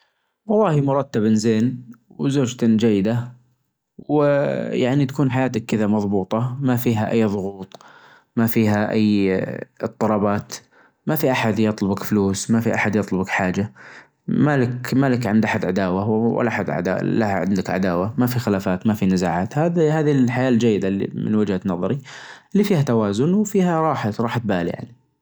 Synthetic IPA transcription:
wɑlˤːɑːhimʊɾˤɑt̪ːabɪnzeːnwzoːd͡ʒt̪ad͡ʒajːɪd̪a | wɪjaʕnit̪ḁkuːnħajaːt̪akːɪðamɑðˤbuːt̪ˤɑmafiːɦaʔajːðˤʊɣuːt̪ˤ | mafiːɦaʔa̰jːɨt̪ˤːɑlɑbɑːt̪ | mafiʔaħad̪jɑt̪ˤlʊbakfluːsmafiʔaħad̪jɨt̪ˤlʊbakħaːd͡ʒa | malɪkmalɪkʕɪnd̪ʔaħad̪ʕad̪aːwawɪ̰lʔaʔaħad̪ʕa̰d̪a̰lahaʕɪ̰nd̪ɪkʕa̰d̪aːwamafixɪlaːfaːt̪mafinɪzaːʕaːt̪haðhaːðilħajaːld͡ʒajːɪd̪aḭmɪ̰nwɪd͡ʒhanɑðˤɑɾiʔɪlːifiːhat̪awaːzʊnwfiːhaɾˤɑːħaɾˤɑːħat̪̚baːlḭja̰ʕni

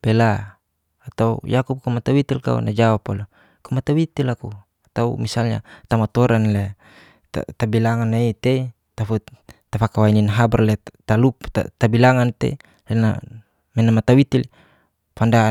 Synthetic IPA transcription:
b̥ɛlaː | t̪aujakup̚kumat̪awit̪ilka̰ṵnad͡ʒawapalo | kumat̪awit̪ilaku | at̪aṵmisalɲa̰t̪amat̪ɔɾanle | t̪a̰t̪abilaŋanait̪ei | t̪afut̪afakawaininɦabarlet̪alupt̪a̰t̪abilaŋant̪ḛ | lena̰ | mɛnamat̪awit̪il | fanda

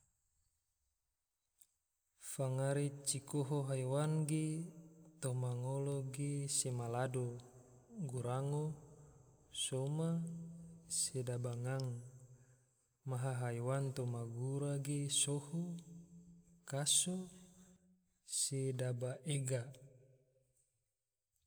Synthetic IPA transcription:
faŋaɾit͡ʃikoɦoɦajwanɡet̪omaŋoloɡesemalado | ɡuɾaŋo | soma | sedabaŋaŋ | maɦaɦajwant̪omaɡuɾaɡesoho | kaso | sedabaʔeɡa

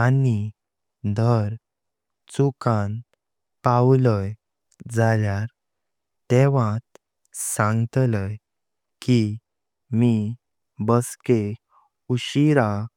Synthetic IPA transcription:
ani | d̪ʱəɾ | t͡sukãn | pawləj | d͡zaljaɾ | t̪eʋãt̪ | sãŋɡt̪ləj | ki | mi | bəske | uɕiɾa

